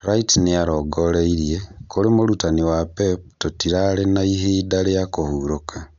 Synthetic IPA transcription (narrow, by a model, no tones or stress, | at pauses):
ɾaitiniaɾoɡoleiɾiekoɾimoɾutaniwapeptotiɾalenaiɦidalejakohuːɾokʰa